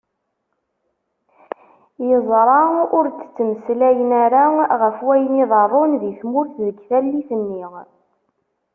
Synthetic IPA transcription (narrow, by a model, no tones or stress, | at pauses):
jəzˤɾˤɑʊɾt͡sːt͡sːəmslæjənæɾaʁəfwæjəniðˤɑɾˤonðiθmʊɾθðəɡθælːiθənːiʁ